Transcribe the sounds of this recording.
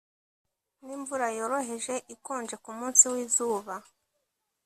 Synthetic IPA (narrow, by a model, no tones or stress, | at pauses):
niːɱvuɾajo̞ɾo̞ɦe̞ʒe̞ʔikoːnd͡ʒe̞kumuːnsiwiːzuːβa